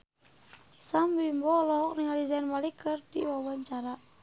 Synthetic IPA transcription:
samɾimbɔlɔɦɔknɪŋalizanmalikərd̥iwawaɲt͡ʃaɾa

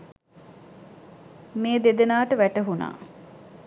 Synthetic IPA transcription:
meːd̪ed̪enaːʈəʋæʈəɦuna̰ː

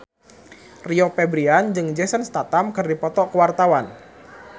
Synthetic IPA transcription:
riopɛbɾiand͡ʒɨŋd͡ʒɛsənst̪at̪amkɨrdipɔt̪ɔkəwart̪awan

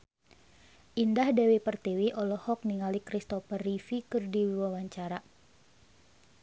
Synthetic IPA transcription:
ʔindahdɛwepərt̪iwiʔɔlɔhɔk̚niŋalikɾist̪ɔfərifikɨrdiwiwawaɲt͡ʃaɾa

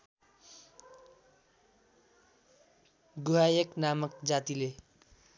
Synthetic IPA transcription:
ɡuɦajʌknamʌk̚d͡zat̪ile

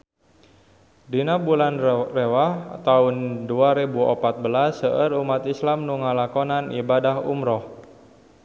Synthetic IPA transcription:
dinabulanrewaht̪aunduaɾebuɔpat̪̚bəlasəʔəɾumat̪islamnuŋalakonanibadaɦṵmɾɔh

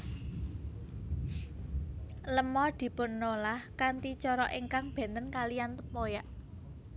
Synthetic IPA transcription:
ləmɔd̪̥i̤pʊnːolahkant̪it͡ʃɔɾɔʔiŋkaŋb̥ɛ̤nt̪ənkalijant̪əpojaʔ

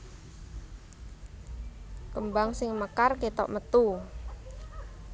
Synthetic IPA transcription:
kəmbaŋsɪŋməkarket̪ɔ̰ʔmət̪u

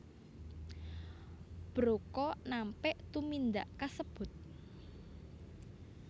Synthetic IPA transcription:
b̥ɾokɔnampɛʔt̪umind̪aʔkasəb̥ʊ̤t̪̚

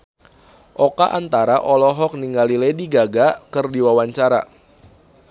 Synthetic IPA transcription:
ʔɔkaʔant̪aɾaʔɔlɔɦɔk̚niŋɡalilediɡaɡakɨrdiwawaɲt͡ʃaɾa̰

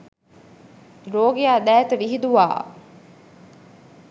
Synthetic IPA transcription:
ɾoːɡejaːd̪æːt̪əʋiɦid̪uʋa̰ː

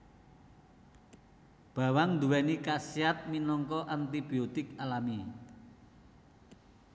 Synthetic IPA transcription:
b̥a̤waŋnd̪uwɛnikasiat̪̚minɔŋkɔʔant̪ib̥iot̪ɪkalami

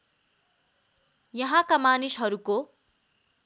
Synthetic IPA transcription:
jʌɦãkamanisɦʌɾuko

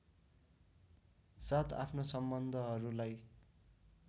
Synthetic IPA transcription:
sat̪ʰa̰pʰnosʌmbʌnd̪ʱʌɦʌɾulaj

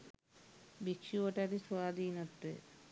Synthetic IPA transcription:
bikʃioʈaɾisʰoad̪inot̪ːɾḛ

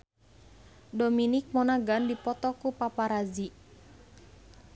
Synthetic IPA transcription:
dominɪk̚mɔnaɡandipɔt̪ɔkupapaɾazi

